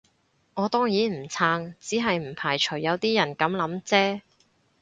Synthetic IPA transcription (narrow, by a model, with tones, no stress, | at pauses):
ŋɔː˨˧t̪ɔː˥ŋjiː˨˥m̩˨˩t͡sʰaː˧ŋt͡siː˨˥ɦɐ˨jm̩˨˩pʰaː˨˩jt͡ʃʰɵ˨˩jːɐ˨˧wt̪iː˥jɐ˨˩nkɐ˨˥mlɐ˨˥mt͡sɛː˥